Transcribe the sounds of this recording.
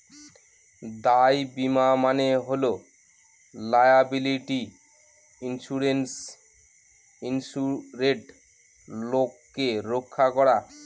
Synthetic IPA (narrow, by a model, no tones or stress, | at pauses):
d̪ajbimamaneɦolo | lajabiliʈi | inʃuɾens | insuɾeʈ | lokːeɾokʰːakɔɾa